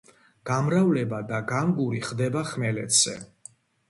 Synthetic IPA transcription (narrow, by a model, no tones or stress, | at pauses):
ɡ̥amɾavlɛbad̪aɡamɡuɾiχd̪ɛbaχmɛlɛt̪ʰz̥ɛ̰